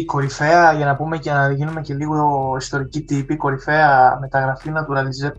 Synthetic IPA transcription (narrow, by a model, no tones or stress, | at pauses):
iko̞ɾife̞ɐʝɐnɐpume̞cenɐðʝinume̞ce̞liɣoist̪o̞ɾicit̪ipiko̞ɾife̞ɐme̞t̪ɐɣɾɐfinɐt̪uɾɐlize